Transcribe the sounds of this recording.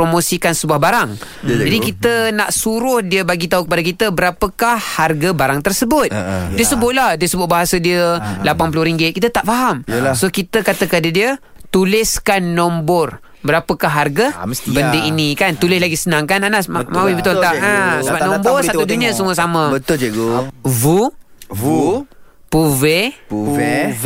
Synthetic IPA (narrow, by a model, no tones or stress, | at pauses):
pɾomosikansəbuahbaɾaŋ | adikit̪ənaʔsuɾʊhdiəbaɡit̪aukəpadakit̪əbəɾapəkahhːarɡabaɾaŋt̪ərsəbʊt̪diəsəbʊʔ̪̚lahdiəsəbʊt̪̚baɦasədiəlapanp̬lʊɾiŋɡɪt̪̚kit̪ət̪aʔfaɦamsokit̪əkat̪əkadədiə | t̪ulɪskanːɔmbɔr | bəɾapəkaɦarɡəbəndeinĩkant̪ulɪslaɡisənaŋkananasmamawibət̪ɔlt̪aʔəsəbapnɔmbɔrsat̪uduniəsuŋʊsaməbət̪ɡvu | u | puve